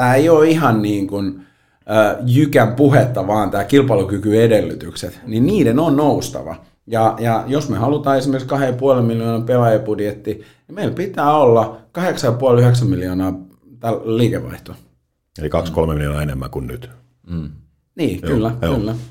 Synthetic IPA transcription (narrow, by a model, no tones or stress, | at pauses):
t̪æːeioːihɑnniːŋkun | əːjykæmpuhet̪ːɑʋɑːnt̪æːkilpɑlukykyedelːyt̪ykset̪ninniːdenonnoust̪ɑ̰ʋɑ̰ | jɑjɑjosmehɑlut̪ɑːesimerkiskɑhejɑpuolemiljoːnɑpelɑjɑpudjet̪ːi | nimeilpit̪æːolːɑkɑheksɑjɑpuɑlyheksæmmiljoːnɑː | t̪ælliːkeʋʋɑ̰iht̪o | ḛlikɑkskolmemiljonɑenemːæ̰ŋkunnyt̪ː | niːkylːæylːæ